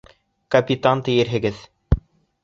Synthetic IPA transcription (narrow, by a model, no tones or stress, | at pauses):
kɐpʲit̪ant̪ɘ̆jɘ̆ɾɦɘ̆ɡɘð